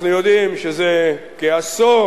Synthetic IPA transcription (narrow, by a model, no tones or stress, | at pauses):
nujod̪imʃeze | keaso